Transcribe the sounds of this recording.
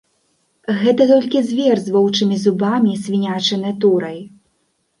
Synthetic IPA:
ɣɛt̪ɐt̪ɔlʲkʲizʲvʲɛrzvɔwt͡ʂɨmʲizubamʲisʲvʲinʲat͡ʂɨnɨt̪uɾɐj

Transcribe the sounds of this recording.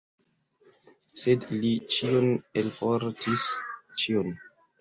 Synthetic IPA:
sedlit͡ʃionelfoɾtʰist͡ʃion

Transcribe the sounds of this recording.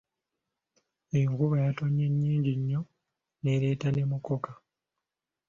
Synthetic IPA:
ejoŋkuβajatoɲːeɲːiːɲɟiɲːo̞ | neɾe̞tane̞mukoka

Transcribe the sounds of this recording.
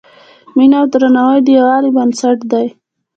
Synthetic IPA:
minawd̪ɾanawəjɖ̪iwɑlibansaʈd̪aj

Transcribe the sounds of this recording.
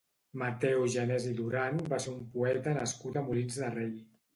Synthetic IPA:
mət̪ɛwʒənɛziðuɾanbaseumpuɛt̪ənəskut̪əmulinzðərej

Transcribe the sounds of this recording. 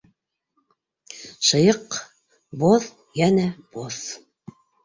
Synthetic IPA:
ʃɤ̆jɤq | boð | jænæb̥oθ

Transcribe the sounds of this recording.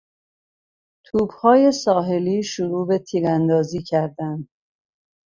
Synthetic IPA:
t̪ʰuːbhɒːje̞sɒːɦe̞liːʃuɾuːbe̞t̪ʰiːɾænd̪ɒːziːcʰæɾd̪ænd̪

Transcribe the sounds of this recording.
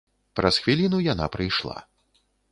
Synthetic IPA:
pɾɐsxvʲilʲinujana̰pɾɨjʂlˠa̰

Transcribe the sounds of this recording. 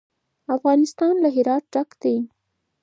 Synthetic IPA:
afɣɑnɪst̪ɑnlaɦɪɾɑt̪̚ɖakd̪̥ej

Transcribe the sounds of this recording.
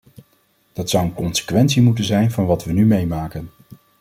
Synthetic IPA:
d̥ɑtsʌwənkɔnsə̥kʋɛntsimutənzɛjnvɑnʋɑtʋənymejmaːkən

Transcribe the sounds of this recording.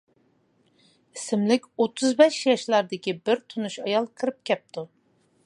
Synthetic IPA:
isɪmlɪkʲot̪ʰuzbɛʃjɑʃlˠɑɾd̪ɪkʲʰibiɾt̪ʰunuʃɑjɑlˠkʰɨɾɯp̚kʲɛp̚t̪ʰu

